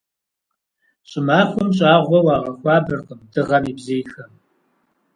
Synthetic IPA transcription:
ɕʼɪmaːxʷɔmɕʼaːʁʷɔwɑːʁɐxʷɑːbɨrqəmdɨʁɐmiːbzijxɐm

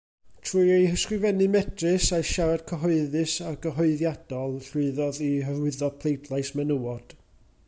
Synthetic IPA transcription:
tʰruːjejhəskrɨvɛnɨmɛdrɨsaʃaɾad̥̚kʰəɦɔɨðɨsaɡəɦɔɨðjad̥ɔlˠɬɨðɔðiɦərwɪðɔpʰlˠejdlˠajsmɛnəwɔd̥

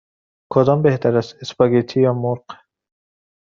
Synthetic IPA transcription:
kʰod̪ɒmbeht̪ʰaɾasɪspaɡet̪ʰijɒmuɾq

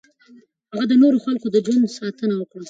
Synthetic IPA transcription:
haɣad̪ənoɾoxalkod̪əd͡ʒwand̪sɑt̪ənawəkɽa

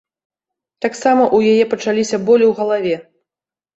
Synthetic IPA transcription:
t̪aksamɐʔujajɛpɐt͡ʂalʲisʲɐbɔlʲiwɣɐlˠavʲɛ

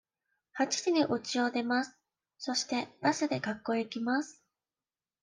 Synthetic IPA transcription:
hat͡ɕi̥d͡ʑiniʔot͡ɕio̞d̪e̞masɨ̥ | so̞ɕi̥t̪e̞basɨd̪e̞kakːo̞ikʲimasɨ̥

